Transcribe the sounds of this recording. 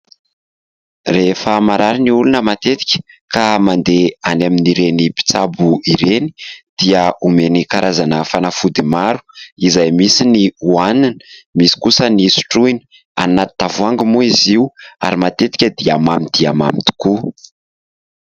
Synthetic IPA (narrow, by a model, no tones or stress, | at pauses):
refəmaɾaɾiniulunəmat̪et̪i̥kʲə̥kamand̪eanaminiɾenipi̥t͡sabuiɾeni̥d̪̥iəumenikaɾʔazanəfanafud̪imaɾu̥izajmisiniuananə̥misi̥kusənisu̥ʈ͡ʂuinə̥ | a̰nnat̪i̥t̪avuaŋɡəmuiziwa̰ɾimat̪et̪i̥kʲəd̪iamamid̪̥iama̰mit̪u̥ku